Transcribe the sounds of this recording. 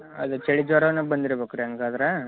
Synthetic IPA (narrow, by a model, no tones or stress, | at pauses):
ɐd̪ut͡ʃeɭid͡ʒɔɾɐʋɐnːɐbɐnd̪iɾɐbekuɾeɐŋɡaːd̪ɐɾe